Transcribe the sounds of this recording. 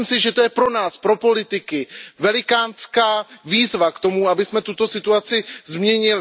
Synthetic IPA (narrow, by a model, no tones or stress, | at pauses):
msɪʒɛt̪ojɛpɾo̞naːspɾo̞po̞lɪt̪ɪkɪvɛlɪkaːnskaːviːzvakt̪o̞muabɪsmɛt̪ut̪o̞sɪt̪uat͡sɪzmɲɛɲɪl